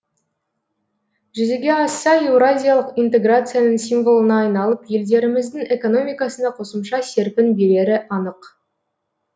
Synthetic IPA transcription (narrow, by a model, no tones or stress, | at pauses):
ʒʏzeɡʲe̞ɑsːɑewɾazʲijalˠəqijnt̪e̞ɡrat̪sɨjanəɴsimvo̞lˠənɑːjnɑlˠəpje̞ld̪e̞ɾɪmɪzd̪ɪŋe̞ko̞no̞mʲijkɑsənɑqʰo̞səmʃɑse̞ɾpʲɪnbe̞ɾe̞ɾɪʔɑnəq